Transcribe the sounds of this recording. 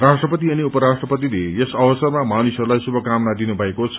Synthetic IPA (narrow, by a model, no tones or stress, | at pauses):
rasʈrʌpʌt̪iʌniupʌɾasʈrʌpʌt̪ileesʌbʌsʌrmamanusʌɾulajsubʱʌkamnad̪inubʱʌekot͡sʰʌ